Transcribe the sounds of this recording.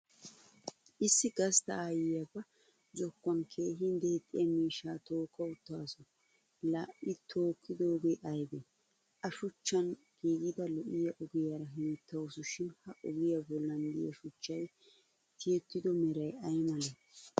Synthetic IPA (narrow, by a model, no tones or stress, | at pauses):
ʔɪsːɪɡɐst̪ɐaːjɪjɐbɐ | zɔkːɐnkʰe̞ːɦɪnd̪ɛɛt̪ʼːɪɛmiːʃːaːt̪o̞ːkːɐʊt̪ːaːsɔ | laːʔɪt̪ʰoːkʰːɪd̪oɡɛʔɐjbɛ | ʔɐʃʊt͡ʃːɐn | ɡ̥iːɡɪd̪ɐlɔʔɪjɐʔʊɡɪjaɾɐɦɪnt̪ːɐwʊsʊʃɪnhɐʔʊɡɪjɐbɔlːɐnd̪ɪ̰jɐ̰ʃʊt͡ʃːɐj | t̪ʰɪjɛt̪ːɪd̪ɔmɛɾɐjɐjmɐlɛ